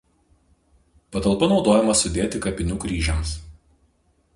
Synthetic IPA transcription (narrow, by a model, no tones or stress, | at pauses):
pɐt̪ɐlˠpɐnɒʊd̪oːjɛmɐsʊd̪ʲeːt̪ʲɪkɐpʲɪnʲuːkɾʲiːʒʲɛms